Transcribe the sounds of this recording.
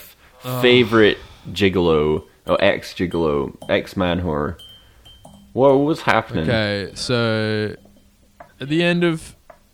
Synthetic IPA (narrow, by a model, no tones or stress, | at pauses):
ffeɪvə˞ɪt̚d̥ʒ̥ɪɡl̩oʊ | ʔoʊʔɛ̰ksd̥ʒ̥ɪɡloʊʔɛksmæ̃nɦɔɹ | wɛwʌt̚wʌz̥hæ̰pənɪ̃eɪsoʊ | ɨt̪̚ðiɛ̃ndʌv̥